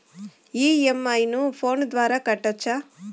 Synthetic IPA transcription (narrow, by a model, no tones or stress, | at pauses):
iːemːɐjnupʰo̞ːnd̪ʋaːɾaːkɐʈːɐt͡ʃːa